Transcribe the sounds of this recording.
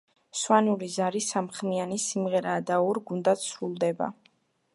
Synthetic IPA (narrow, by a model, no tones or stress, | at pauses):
swanulizaɾisamχmianisimʁɛɾaːd̪aɔɾɡund̪at̪sɾulˠd̪ɛba̰